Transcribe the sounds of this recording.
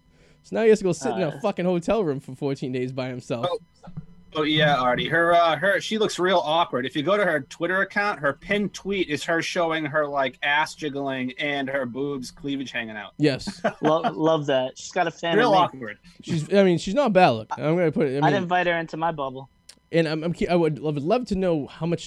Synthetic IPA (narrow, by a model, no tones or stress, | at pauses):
sonaʊɨʌstɨɡoʊsɪɾ̃n̩əfʌkɨ̃nhoʊtʰɛlˠɹʉ̃ɱfə˞fɔɹtʰĩndeɪzbaɪɨ̃m̩sɛlˠ | ojæl̩ˠɑɹɛɾiə˞ʌə˞ʃilʊksɹilˠɔkwə˞ɾɨfjɨɡoʊɾɨə˞tʰw̥ɪɾə˞ɨkʰãʊ̃nt̚ɦə˞pʰɪ̃ntʰw̥iɾɨz̥ə˞ʃoʊɪ̃ŋə˞laɪkæsd̥ʒ̥ʌɡl̩ˠɪ̃ŋɨ̃nə˞bubz̥kʰl̥ivɨ̥ʒ̥hæ̃ŋɪ̃ŋa̰ʊt̚jɛslʌlʌvðæt̚ʃizɡɑɾɨfæ̃ɹilˠɔkwə˞d̥ʃizaɪmĩnʃiznət̚bædˡlʊ̰kã̰ɪ̃mɡʌnɨpʰʊɾɨtaɪaɪɨ̃ɱvaɪt̚hə˞ɪ̃ntʰumaɪbʌbl̩ˠ | ʔɨ̃nãɪ̃mãɪ̃mkʰiaɪwɨdlʌvdˡlʌv̥tʰɨnoʊhaʊmʌt͡ʃ